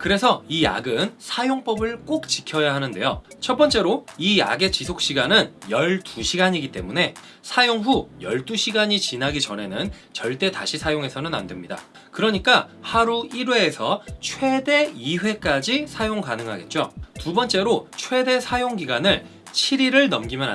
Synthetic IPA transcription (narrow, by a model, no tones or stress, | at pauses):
kɯɾe̞sʰʌija̰ɡɯnsʰajoŋp͈ʌbɯɭk͈ok̚t͡ɕikʰjʌjaɦanɯnde̞̰jo̰t͡ɕʰʌp͈ʌnt͡ɕ͈e̞ɾoija̰ɡe̞t͡ɕisʰok̚ɕ͈iɡanɯnjʌɭtuɕʰiɡaɲiɡit͈e̞̰mune̞ | sʰajoŋɸujʌɭt͈uɕʰiɡaɲit͡ɕinɦaɡit͡ɕʌne̞nɯnt͡ɕʌɭt͈e̞ta̰ɕʰisʰajoŋe̞sʰʌnɯna̰ndwe̞mɲida̰ | kɯɾʌɲik͈ahaɾuiɾweːsʰʌt͡ɕʰwe̞de̞iɸwe̞k͈ad͡ʑisʰajoŋkanɯŋɦaɡe̞t̚t͡ɕ͈o̰tubʌnt͡ɕ͈e̞ɾot͡ɕʰwe̞de̞sʰajoŋɡiɡanɯɭ | t͡ɕʰiɾiɾɯɭnʌmɡimjʌna